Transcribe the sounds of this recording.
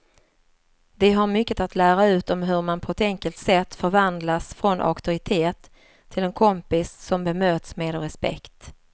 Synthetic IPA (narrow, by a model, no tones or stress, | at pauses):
d̪ɛɦaɾmʏkːət̪at̪ʰlæːɾaʉ̟ːt̪ɔmɦɵɾmanpʰɔɛt̪ɛŋkəlt̪sɛt̪ːfœɾvand̪lasfɾɔnʔa̰kt̪ʊɾɪt̪ʰeːt̪ʰː | ɪlɛnkʰɔmpɪsːɔmbɛmøːt̪smeːd̪ɔɾɛspɛ̰kt̪